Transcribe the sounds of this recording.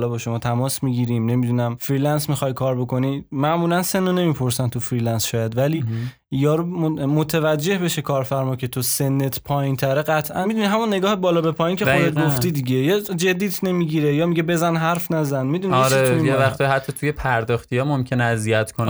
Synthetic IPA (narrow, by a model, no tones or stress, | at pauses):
lɒːbɒʃo̞mɒːt̪ʰæmɒːsmiɟiɾimne̞mid̪unæmfɾiːlænsmixɒjkʰɒːɾbo̞kʰo̞nimæʔmuːlænse̞nːone̞mipʰo̞ɾsænt̪ʰufɾiːlænsʃɒːjæd̪væliː | jɒːɾumot̪ʰevæd͡ʒːe̞hbe̞ʃe̞kʰɒːɾfæɾmɒːcʰe̞t̪ʰose̞nːet̪ʰpʰɒːjint̪ʰæɾeɢæt̪ʰʔænmid̪uniɦæmunːe̞ɡɒːhebɒːlɒːbe̞pʰɒːjincʰed̪et̪̚ɡofid̪iɟejɒːd͡ʒe̞d̪ːiːt̪ʰne̞miːɟiɾe̞jɒːmiɟebe̞zænɦæɾfnæzænmid̪uniɾenijevæxt̪ʰihæt̪ʰːɒt̪ʰuje̞pʰæɾd̪ɒːxt̪ijɒːmomcʰe̞neæzijæt̪ʰkʰon